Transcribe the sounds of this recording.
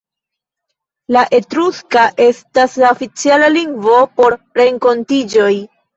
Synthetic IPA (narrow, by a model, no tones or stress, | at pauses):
laʔe̞tɾuskaʔe̞staslaofit͡sialaliŋɡvo̞po̞ɾɾe̞ŋko̞ntid͡ʒo̞j